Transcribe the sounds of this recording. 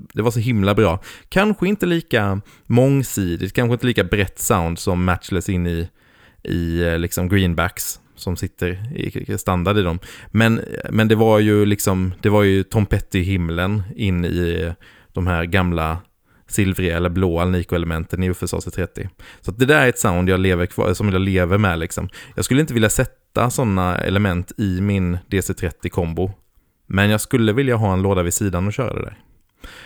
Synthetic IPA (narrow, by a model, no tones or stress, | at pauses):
d̪ɛvaʂɔɦɪmlabɾɑːkʰanɧəɪnt̪əliːka | mɔŋːsiːd̪ɪ̰t̪kʰanɧəɪnt̪əliːkabɾɛt̪ːsaʊnd̪sɔmːæt̪t͡ʃlasɪnːɪ | ʔɪ̰lɪksɔmɡɾiːnbæks | sɔmsɪt̪ːəɾɪ̰st̪and̪aɖ̪ɪd̪ɔmmɛnmɛnd̪ɛvaɾjɵlɪksɔmd̪̥ɛvaɾjɵt̪ʰɔmpʰɛt̪ːɪɪɦɪmːlənɪnːɪ̰ | d̪̥ɔmhæːɾɡamla | sɪlvɾɪɛlːəɾbloːalniːkʊɛləmɛnt̪ənɪɵfəsɑ̰ːset̪ʰɾɛt̪ːɪ̰sɔat̪̚d̪ɛd̪æːɾɛɾɛt̪saʊnd̪jɑːɡleːvəɾkʰvɑ̰ːsɔmjɑleːvəɾmɛlɪksɔ̰mjɑːɡskɵlːəɪnt̪əvɪljasɛt̪ːa̰sɔnːaɛ̰lɛmɛnt̪ʰɪmɪnd̪eːseːt̪ʰɾɛt̪ːɪkʰɔmbʊ | mɛnjɑːɡskɵlːəvɪljaɦɑːɛnloːd̪avɪsiːd̪anɔɕœːɾa̰d̪ɛ̰d̪æ̰ːɾ